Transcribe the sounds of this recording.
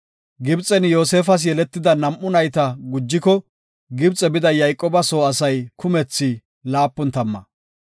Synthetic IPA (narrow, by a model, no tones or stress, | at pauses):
ɡɪbt͡sʼːɛnjo̞ːseːfɐs̬jɛlɛt̪ːɪd̪ɐnɐmʔʊnɐjt̪ɐɡʊd͡ʒːɪkɔ | ɡɪbt͡sʼɛbɪd̪ɐjɐjkʼoːbɐso̞ːɐsɐjkʰʊmɛt͡sːɪ | laːpːʊnt̪ɐmːɐ̰